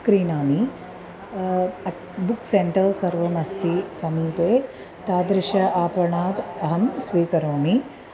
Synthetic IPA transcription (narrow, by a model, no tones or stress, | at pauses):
kɾiːnaːmi | ɐ | bukseɳʈɐɾsɐɾʋɐmɐst̪isɐmiːpeː | t̪aːd̪ɾɪʃɐaːpɐɳaːd̪ɐɦɐmsʋiːkɐɾoːmi